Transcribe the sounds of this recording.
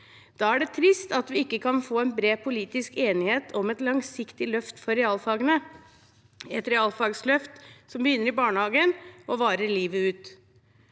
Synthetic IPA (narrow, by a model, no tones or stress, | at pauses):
d̪̥ɑːæɖɛt̪ʰɾɪst̪ɑt̪ʋɪɪkːəkʰɑnfoːɛnbɾeːpʰʊliːt̪ɪskeːnɪheːt̪ʰɔmɛt̪lɑŋsɪkt̪ɪlœft̪fɔɾɛɑlfɑːɡənə | ɛt̪ɾɛɑːlfɑːɡslœft̪sɔmbəjʏnːəɾɪbɑːɳəhɑːɡənɔʋɑːɾəɾliːʋəʉːt̪